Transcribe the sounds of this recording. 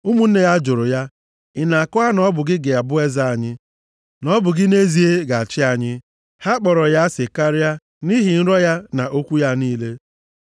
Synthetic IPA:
u˦mu˨n̩˦ne˦ja˦d͡ʒʊ˨ɾʊ˨ja˦ | ɪ˨na˨a˨kɔ˦a˦nɔ˦bʊ˨ɡɪ˦ɡe˨a˨bʊ˦e˦za˦a˨ɲɪ˦ | nɔ˦bʊ˨ɡɪ˦ne˦zi˨e˦ɡa˨a˨t͡ʃɪ˦a˨ɲɪ˦ | ha˦k͡pɔ˨ɾɔ˨ja˦sɪ˨ka˦ɾɪ˦a˦ | ni˦ɦɪ˨n̩˦ɾɔ˦ja˦na˨ʔo˦kʷu˦ja˦niː˦le˦

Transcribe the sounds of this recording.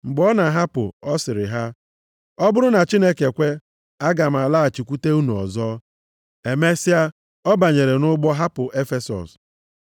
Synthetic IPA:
ŋ͡m̩˨ɡ͡bɔ˦na˨ɦa˦pʊ̰˨ɔ˦sɪ˨ɾɪ˨ɦa˦ | ɔ˦bʊ˦ɾʊ˦na˨t͡ʃi˦ne˦ke˨kʷe˦ | a˦ɡa˨m̩˨a˨la˦a˨t͡ʃi˨kʷu˦te˦u˦nu˨ɔ̰˨zɔ˦ | e˨me˦sɪ˦a˦ | ɔ˦ba˨ɲe˨ɾe˨nʊ˦ɡ͡bɔ˦ɦa˦pʊ˨ʔe˦fe˦sɔ̰˨s

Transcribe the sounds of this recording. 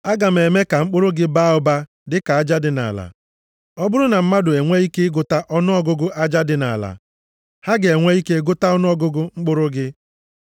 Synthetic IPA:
a˦ɡa˨m̩˨e˨me˦ka˨ŋ͡m̩˦k͡pʊ˦ɾʊ˦ɡɪ˦ba˦ʊ˦ba˦ | dɪ˦ka˨a˦d͡ʒa˦dɪ˨na̰˨la̰˨ | ɔ˦bʊ˦ɾʊ˦na˨m̩˦ma˦dʊ˨e˨ŋʷe˦i˦ke˦ɪ˦ɡʊ˨ta˦ʔɔ˦nʊ˦ɔ˦ɡʊ˦ɡʊ˦ʔa˦d͡ʒa˦dɪ˨na̰˨la̰˨ | ha˦ɡɪ˨e˨ŋʷe˦i˦ke˦ɡʊ˦ta˦ɔ˦nʊ˦ɔ˦ɡʊ˦ɡʊ˦ŋ͡m̩˦k͡pʊ˦ɾʊ˦ɡɪ˦

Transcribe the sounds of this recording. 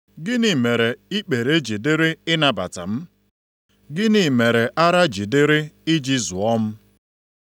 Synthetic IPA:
ɡɪ˦ni˨me˨ɾe˨i˦k͡pe˨ɾe˦d͡ʒi˨dɪ˦ɾɪ˦ɪ˦na˨ba̰˨ta̰˨m̩˦ | ɡɪ˦ni˨me˨ɾe˨ʔa˦ɾa˦d͡ʒi˨dɪ˦ɾɪ˦ɪ˦d͡ʒi˦zu˨ɔ˦m̩˦

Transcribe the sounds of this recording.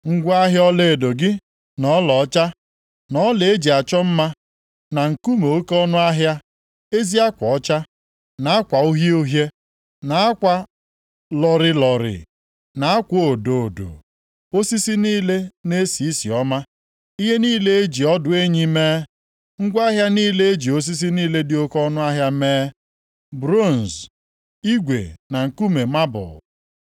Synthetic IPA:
ŋ̩˦ɡʷa˦ɦjɔ˦le˨e˨do˨ɡɪ˦ | nɔ˨˦lɔ˨˦t͡ʃa˦ | nɔ˦le˨e˦d͡ʒi˨a˨t͡ʃɔ˦m̩˦ma˦ | na˨ŋ̩˨ku˦mo˨o˦kɔ˦nʊ˦a˦ɦja˦ | e˦zi˦a˦kʷɔ˨ɔ˦t͡ʃa˦ | na˨a˦kʷa˨u˦ɦje˦o˦ɦje˦ | na˨a˦kʷa˨ | lɔ˨ɾɪ˨lɔ˨ɾɪ̰˨ | na˨a˦kʷo˦˨do˨o˨do̰˨ | o˦si˦si˦niː˦le˦ne˦si˨i˦si˨ɔ˦ma˦ | i˦ɦe˦niː˦le˦e˦d͡ʒi˨ɔ˦dʊ˨e˦ɲi˦meː˦ | ŋ̩˦ɡʷa˦ɦja˦niː˦le˦e˦d͡ʒi˨o˦s̬i˦s̬i˦niː˦le˦dɪ˨o˦kɔ˦nʊ˦a˦ɦja˦meː˦ | bɾo˦˨n̩˨z | i˦ɡʷḛ˨na˨ŋ̩˨ku˦me˨ma˦bʊ̰˨

